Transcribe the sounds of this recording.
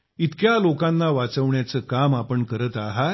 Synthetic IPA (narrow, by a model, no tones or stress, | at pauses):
it̪kjalokãnːaʋat͡səʋɳjat͡səkamapəɳkəɾət̪aɦa